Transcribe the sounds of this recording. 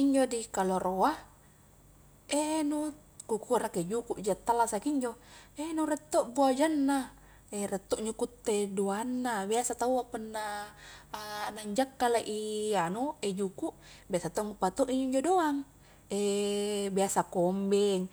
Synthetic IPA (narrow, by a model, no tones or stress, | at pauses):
iɲd͡ʒodikaloɾoa | enu | kukuaɾaked͡ʒukuʔd͡ʒat̪ːalasakiɲd͡ʒoenuɾɛt̪ːoʔbuad͡ʒanːa | erɛt̪ːoʔɲukut̪ːedoanːabiasat̪auapənːa | naɲd͡ʒakːalaʔianued͡ʒukuʔbiasat̪oŋupat̪oʔiɲoiɲd͡ʒodoaŋ | ebiasakombɛŋ